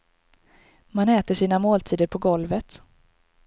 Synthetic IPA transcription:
manɛːt̪əʂiːnamoːlt̪ʰiːd̪əɾpʰɔɡɔlvət̪

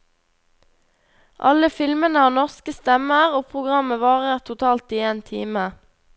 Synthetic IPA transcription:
ʔɑ̰ləfɪlmənəhɑːnɔʁskəst̪ɛməʁoːpʰʁʊɡʁɑməʋɑːʁəʁt̪ʰʊt̪ʰɑːlt̪iːeːnt̪ʰḭːmə

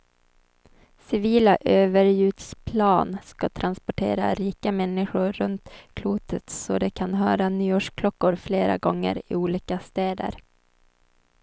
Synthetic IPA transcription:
sɪviːlaʔøːvəɾjʉ̟ːt̪spʰlɑːnskat̪ʰɾʔanspɔʈʰḛːɾa̰ɾiːkamɛnːɪɧʊɾːɵnt̪kʰluːt̪ʰət̪sɔd̪ɛkʰanɦœːɾanyːoːʂkʰlɔkːʊɾfleːɾa̰ɡɔŋːə̰ɾɪ̰uːliːkast̪ɛːd̪ə̰ɾ

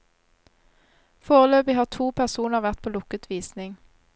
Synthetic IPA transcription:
foːʁəløːpɪhɑːʁt̪ʰuːpʰæʁsuːnəʁʋæʁt̪̚pʰoːlʊkət̪ʰʋiːsnɪŋ

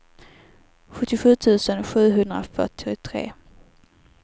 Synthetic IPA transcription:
ɧɵt̪ːɪɧʉ̟ːt̪ʰʉ̟ːsənɧʉ̟ːɦɵnd̪ɾa̰fœ̰ʈɪʊt̪ʰɾḛː

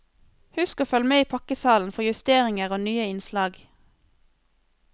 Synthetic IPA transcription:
hʉskoːfœlmeːiːpʰɑkəsɑːln̩fɔjʉst̪eːʁɪŋəʁoːnyːəɪnslɑːɡ

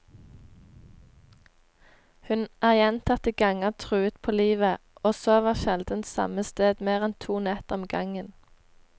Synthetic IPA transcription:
hʉnʔæːʁjɛnt̪ʰɑt̪əɡ̥ɑŋət̪ʰʁʉːət̪pʰoːliːʋəʔoːsoːʋɑːʃɛld̪ən̩t̪sɑ̰məst̪eːd̪meːʁɛnt̪ʰuːnɛt̪ɔmɡɑŋən

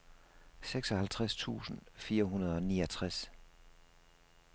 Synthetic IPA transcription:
seɡ̥sɒ̽hælt͡sʰʁast͡sʰṵːsn̩fiːɐɦunɐð̞̩ˠɒ̽niːɐt͡sʰʁas

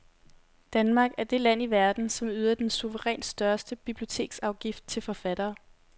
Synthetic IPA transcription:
d̥ænmɑ̈ːɡ̥æɐd̥e̝læn̰iʋæɐd̥n̩sɒ̽myðˠɐd̥ensuʋəʁɛ̰ːnsd̥ɶɐsd̥əb̥ib̥lio̝t͡sʰe̝̰ːɡ̥sɑ̈ʊɡ̥ifd̥̚t͡sʰe̝lfɒ̽fæd̥ɐː

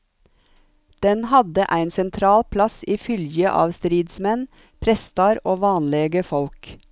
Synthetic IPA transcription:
d̪̥ɛnhɑd̪əʔæɪnsɛnt̪ʰɾɑːlpʰlɑsiːfʏljəʔɑ̰ːʋst̪ɾiːd̪smɛn | pʰɾɛst̪ɑɾoːʋɑːnleːɡəfɔlk

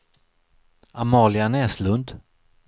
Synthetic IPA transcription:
amɑːlɪanɛːslɵnd̪

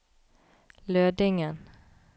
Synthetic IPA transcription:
løːd̪ɪŋən

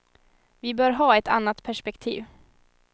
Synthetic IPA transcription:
vɪbœːɾɦɑːɛt̪a̰nːat̪pʰæʂpɛkt̪ʰiːv

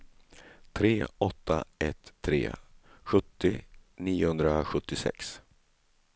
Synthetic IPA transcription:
t̪ʰɾeːɔt̪ʰːa̰ɛt̪ʰːɾḛːɧɵt̪ːɪniːʊhɵnd̪ɾaɧɵt̪ːɪsɛ̰ks

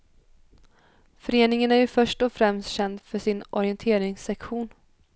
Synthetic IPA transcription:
fœɾeːnɪŋənæɾjɵfœʂʈɔfɾɛmst̪ɕɛnd̪fœʂɪnʔɔɾɪɛnt̪ʰeːɾɪŋsɛkɧuːn

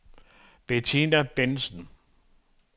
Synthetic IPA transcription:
b̥et͡sʰinæb̥ensn̩

